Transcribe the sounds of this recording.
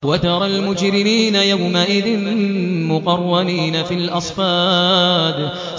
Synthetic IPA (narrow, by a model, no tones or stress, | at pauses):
wat̪ɑɾˤɑlmʊd͡ʒɾɪmiːnajawmaʔɪðɪnmʊqɑrˤːaniːnafilʔɑsˤfaːd̪